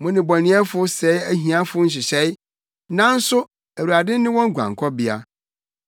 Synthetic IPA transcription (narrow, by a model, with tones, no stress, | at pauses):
mʊ̃˦nɪ̃˨bɔ˨nɪ̃˨˦ɛ˦fʊ˦sɛ˨˦æ˦ɦĩ˨ã˦fʊ˦n̩˦ɕ̬ɪ˨ɕɛ˦ɪ˦ | nã˦n̩˦sʊ˦ | æ˨wu˨a˨dɪ̃˦n˦nɪ̃˦wɔ̃˦ŋ˦ɡʷã̰˨ŋkʰɔ˦bi˦a̰˦